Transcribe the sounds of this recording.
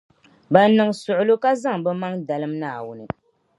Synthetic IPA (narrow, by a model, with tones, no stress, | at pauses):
ba˨nɨ˨ŋsʊ˨ʔʊ˨lo˦ka˦za˦ŋbɛ˦ma˦ŋda˨lɨ˦mnaː˦˨wʊ˦nɨ˨